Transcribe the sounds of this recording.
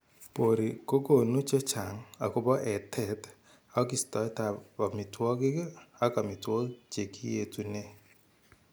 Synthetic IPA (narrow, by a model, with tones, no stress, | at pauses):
po˨ɾi˨ko˦ɡo˨nu˦t͡ʃɔ˦t͡ʃa˨ŋa˨ku˦bɔ˦ʔɛ˨tʰɛ˨t | a˦ki˨stɔ˨˦ta˨pa˨mi˨twɔ˦ki˦ka˦ka˨mi˨twɔ˦kt͡ʃe˨ki˦je˨tu˨ne˦